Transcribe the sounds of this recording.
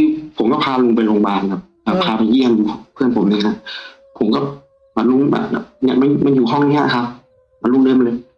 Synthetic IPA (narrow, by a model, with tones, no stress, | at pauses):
t̪ʰiː˧˩pʰo˨˩˦mkɔː˥˩pʰaː˧lu˧ŋpa˧jloː˧ŋbaː˧˩nkʰa˧˩p̚ʔaː˨˩pʰaː˧pa˧ji˥˩əmju˧pʰɯ˥˩˨ənpʰo˩˦mʔi˧ŋa˧˩ | pʰo˨˦mkɔ˥˩ | ma˨˧˩lu˧ŋa̰˨˩˨ɲa˧˥ma˧nma˧njuː˨˩ɦɔ˥˩ŋnḭ˧˦˥kʰa˦˥p̚ | ma˧nlu˧˥˨ŋlɤː˧˥˨m˧nlɤː˧j